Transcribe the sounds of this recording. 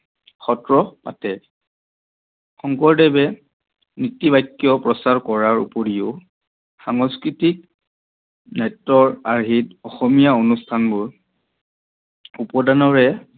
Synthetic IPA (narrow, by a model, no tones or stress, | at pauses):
xɔtɹɔpatɛ | xɔŋkɔɹdɛbɛ | nitibajkːjɔpɹɔsaɹkɔɹaɹṵpoɹiʊ | xaŋɔskɹitik̚ | nɛtːɔɹaɹɦitɔxɔmijaonustʰanbʊɹ | upɔdanɔɹɛ